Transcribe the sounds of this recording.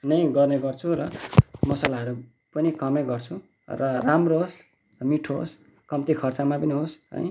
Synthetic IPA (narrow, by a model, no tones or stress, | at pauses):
nʌjɡʌrneɡʌrt͡sʰuɾʌmʌsalaɦʌɾu | pʌnikʌmeɡʌrt͡sʰu | rʌramroɦos | miʈʰoɦo̰s | kʌmt̪ikʰʌrt͡samapʌniɦosɦʌ̰j